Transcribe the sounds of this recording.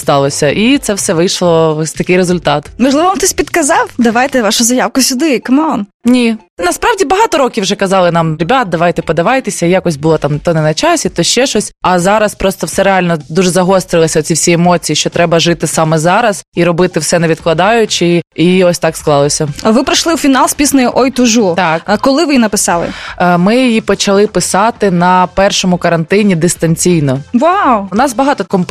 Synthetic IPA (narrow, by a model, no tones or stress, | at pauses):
st̪ɑlˠɔsʲɐʔit̪sɛwsɛʋɪjʃlˠɔɔsʲt̪ɐkɪjɾezʊlʲt̪ɑt̪mɐʒlɨʋɔʋamt̪ɛsʲpʲid̪kɐzɑwd̪ɐʋajt̪ɛʋɑʃʊzɐjawkʊsʲʊd̪ɪikɐmɔnnʲi | nɐspɾɑʋdʲibɐɦɑt̪ɔɾɔkʲiwʒɛkɐzɑlˠɪnɑmɾʲebʲat̪̚d̪ɐʋajt̪ɛpɔd̪ɐʋɑjt̪ɪsʲɐijakɔsʲbʊlˠɔt̪ɑmt̪ɔnɛnɐt͡ʃɑsʲit̪ɔʃt͡ʃɛʃɔsʲɐzɑɾɐspɾɔst̪ɔwsɛɾealʲnɔd̪uʒɛzɐɦɔst̪ɾɪlˠɐsʲɐɔt͡sʲifsʲijɛmɔt͡sʲijiʃt͡ʃɔt̪ɾɛbɐʒɪt̪ɪsɑmɛzɑɾɐziɾɔbɪt̪ɪwsɛnɛʋʲid̪̚klˠɐd̪ɑjʊt͡ʃɪiɔsʲt̪ɑksklˠɑlˠɔsʲɐʋɪpɾɐʃlˠɪwfʲinɑlˠspʲisnɐjʊʔɔjt̪ʊʒut̪ɑkkɔlˠɪʋɪinɐpɪsɑlˠɪ̰mɪjijipɔt͡ʃɐlˠɪpɪsɑt̪ɪnɐpɛrʃɔmʊkɐɾɐnt̪ɪnʲid̪ɪst̪ɐnʲt͡sʲijnɔʋawʊnɑsbɐɦɑt̪ɔt̪ɐkɔmʊp